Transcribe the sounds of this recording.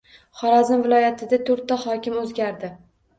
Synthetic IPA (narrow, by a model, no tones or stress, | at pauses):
χɒɾazɪnvɪlˠɒjat̪ʰɪd̪at̪ʰoɾt̪ːahɒkʲɪmɵzɡʲaɾd̪ɪ